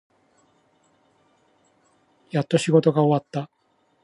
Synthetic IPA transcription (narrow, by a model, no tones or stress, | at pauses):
jat̪ːo̞ɕiɡo̞t̪o̞ɡaoβat̪ːa